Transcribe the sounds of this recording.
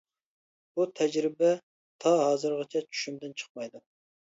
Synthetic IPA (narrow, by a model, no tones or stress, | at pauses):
but̪ʰɛd͡ʒɾɪbɛ | t̪ʰɑɦɑːzɨɾʁɑt͡ʃʰɛt͡ʃʰy̥ʃymd̪ɪnt͡ʃʰə̥q̚mɑjd̪u